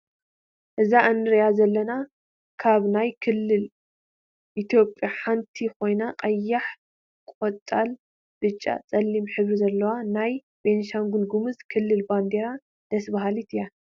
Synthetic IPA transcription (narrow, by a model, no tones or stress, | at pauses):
ʔɨzaʔɨnːɨɾjazɐlːɐna | kʰaβnajkʰɨlːɨl | ʔit̪ʰjo̞pʼjaħant̪ʰikʰo̞jnaqʼɐjːaħ | kʷʼot̪ʼːal | b̥ɨt͡ʃʼːa̰t͡sʼɐlːimħɨβɾizɐlːɐwanaj | benʃaŋɡulɡumɨzkʰɨlːɨlband̪eɾa | d̪̥ɐsbaɦalit̪ʰɨja